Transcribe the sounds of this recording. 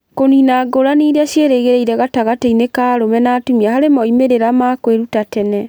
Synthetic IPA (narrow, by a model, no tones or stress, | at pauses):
koninaɡoɾaniɾeaʃjeɾeɣeɾeiɾɛɣataɣateinekaɾomɛnatumiahaɾemɔimeɾeɾamakweɾutatɛnɛ